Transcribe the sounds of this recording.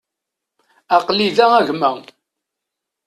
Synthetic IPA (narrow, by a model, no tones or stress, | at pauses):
ɑqliðææʝmæ